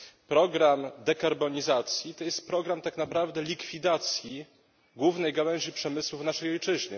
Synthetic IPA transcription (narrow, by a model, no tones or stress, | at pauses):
pɾɔɡɾamd̪ɛkaɾbɔɲizat̪sʲjit̪ɔjɛst̪̚pɾɔɡɾamt̪aknapɾavd̪ɛlʲikfʲid̪at̪sʲji | ɡwuvnɛjɡawɛɲʑipʂɛmɘswuvnaʂɛjɔjt͡ʂɘʑɲɘ̰